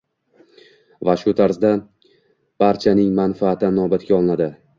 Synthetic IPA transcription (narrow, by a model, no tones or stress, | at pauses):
vaʃʊt̪ʰaɾzd̪a | b̥aɾt͡ʃʰanɪŋmanfaːt̪ʰɪnɒbat̪̚ɡʲaɒlˠnad̪ɪ